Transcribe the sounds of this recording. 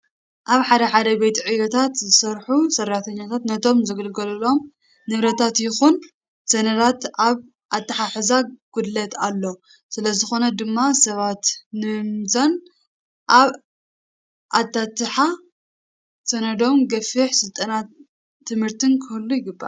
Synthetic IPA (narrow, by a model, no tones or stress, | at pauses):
ʔaβħad̪ɐħad̪ɐbejt̪ʰʼiʕɨjot̪ʰat̪zɨsɐɾħusɐraħt̪ʰɐɲːat̪ʰat̪nɐt̪ʰo̞mzɨɡɨlɡɐlɐlo̞m | nɨβɾɐt̪ʰat̪jɪxun | z̥ɐnɐd̪at̪aβ | ʔat̪ʼːɨħaħɨzaɡ̥ud̪lɐt̪alːo̞ | sɨlɐzɨxo̞nɐd̪ɨmːasɐβat̪nɨmmzan | ʔaβ | ʔat̪ʰːat̪ːɨħa | sɐnɐd̪o̞mɡɐfiħsɨlt̪ʼɐna | t̪ʰːɨmhɨɾt̪ʰɨnkʰɨhɨlːujɪɡɨbːa̰